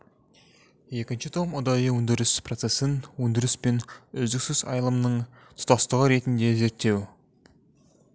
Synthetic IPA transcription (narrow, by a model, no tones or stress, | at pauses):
je̞kʲɪnʃɪt̪ʰomʊd̪ɑjəwɵnd̪ɪɾɪsprot̪se̞sɪnwɵnd̪ɪɾɪspe̞nʏzd̪ɪksɪzɑ̰jlˠəmnəɴ | t̪ʰʊ̥t̪ɑst̪əʁəɾe̞t̪ɪnd̪e̞ze̞ɾt̪ːe̞w